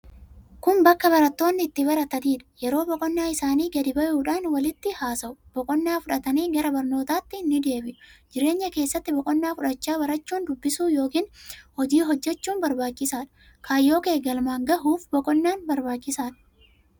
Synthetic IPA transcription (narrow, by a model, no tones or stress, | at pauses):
kʊmbɐkːɐbɐɾɐt̪ːo̞ːnːɪːt̪ːɪbɐɾɐt̪ɐniːᶑɐ̥jɛɾo̞ːbɔkʼɔnːaːɪsaːniːɡɐd̪ɪbɐjuːᶑaːnwɐlɪt̪ːɪhaːsɐʔʊb̥ɔkʼɔnːaːfʊᶑɐt̪ɐniːɡɐɾɐbɐɾno̞ːt̪aːt̪ːɪnːɪd̪e̞ːbɪʔʊ̥d͡ʒɪɾe̞ːɲːɐke̞ːsːɐt̪ːɪbɔkʼɔnːaːfʊᶑɐt͡ʃːaːbɐɾɐt͡ʃːuːnd̪ʊbːɪsuːjo̞ːkiːnhɔd͡ʒiːɦɔd͡ʒːɛt͡ʃːuːnbɐɾbaːt͡ʃːɪsaːᶑɐ̥ | kʰaːjːo̞ːkeːɡɐlmaːŋɡɐɦuːfbɔkʼɔnːaːnbɐɾbaːt͡ʃːɪsaːᶑɐ̥